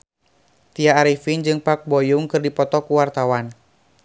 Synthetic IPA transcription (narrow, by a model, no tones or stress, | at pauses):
t̪iaːɾifind͡ʒɨŋpak̚bɔjuŋkɨrdipɔt̪ɔkuwart̪awan